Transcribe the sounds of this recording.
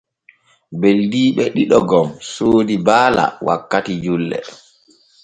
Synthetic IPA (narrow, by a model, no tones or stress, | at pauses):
beldiːɓɛɗiɗɔɡɔmsoːdibaːla̰wa̰kːatid͡ʒulːɛ̰